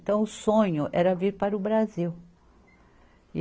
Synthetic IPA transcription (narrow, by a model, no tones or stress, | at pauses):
t̪ɐ̃w̃ʊsõɲʊʔɛɾɐviɾpaɾʊbɾaziw